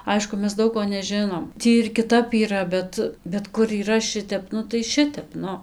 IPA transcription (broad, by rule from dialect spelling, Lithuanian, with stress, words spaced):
ˈɐɪʃkʊ ˈmʲɛs ˈdɐʊk koː nʲɛˈʒʲɪnoːm ˈtʲiː ɪr kʲɪˈtɐp iːˈrɐ ˈbʲɛt bʲɛt kʊr iːˈrɐ ˈʃʲɪtʲɛp ˈnʊ tɐɪ ˈʃʲɪtʲɛp ˈnʊ